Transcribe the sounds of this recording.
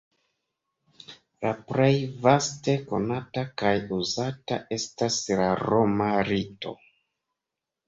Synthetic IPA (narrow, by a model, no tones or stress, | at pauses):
laplejvaste̞ko̞̰natakajuzatae̞staslaɾo̞maɾito̞̰